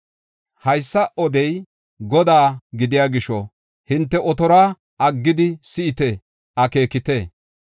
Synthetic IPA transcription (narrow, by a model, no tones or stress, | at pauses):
hɐjsːɐʔɔd̪ɛj | ɡɔd̪aːɡɪd̪ɪjaːɡɪʃɔ | hɪnt̪ːɛʔɔt̪ɔɾaː | ʔɐɡːɪd̪ɪsɪɪt̪e | ʔɐke̞ːkɪt̪eː